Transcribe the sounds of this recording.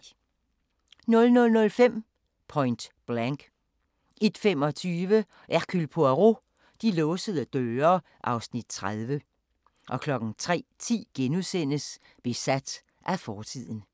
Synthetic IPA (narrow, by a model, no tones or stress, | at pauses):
nɔ̽lnɔ̽lnɔ̽lfem̰ | pʰɒ̽ɪnd̥b̥læŋɡ̥ | e̝d̥femɒ̽t͡sʰyːʋə | ʔæʁkʰylpʰoæʁo | d̥ilɔːsəð̞̩ˠd̥øːɐ | ʔɑ̈ʊsnid̥̚t͡sʰʁað̞ˠʋə | ʔɒ̽kʰlɒ̽ɡ̥ŋ̩t͡sʰʁɛ̰ːt͡sʰḭːɡ̥enusen̰əs | b̥e̝sæd̥ | ʔæfɒːt͡sʰið̞̰ˠn̩